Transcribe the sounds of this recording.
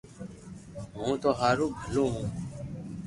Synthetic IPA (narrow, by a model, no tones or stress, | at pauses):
ɦũːt̪oːɦaːɾoːbʱəlõːɦũː